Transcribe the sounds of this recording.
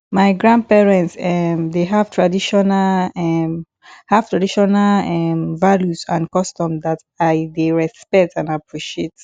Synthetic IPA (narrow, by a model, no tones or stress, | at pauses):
maɪɡɹãnd̚pɛɹɛ̃ntsɛmdeɦav̥tʰɹadiʃɔnal | hav̥tɹadiʃɔnalɛmvaljusãnkɔstɔ̃mdat | aɪdeɹɛspɛk̚tʰãnapʰɹiʃiet